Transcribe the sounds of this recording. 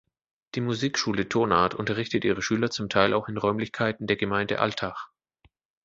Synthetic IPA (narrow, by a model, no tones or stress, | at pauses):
d̥iːmuziːkʃuːlətʰoːna̰ːɐtʔʊntɐʁ̞ɪçtətʔḭːʁ̞əʃyːlɐt͡sʊmtʰaɪlʔaʊxɪnʁɔʏmlɪçkʰaɪtn̩deːɐɡəmaɪndə̰ʔa̰ltʰaːχ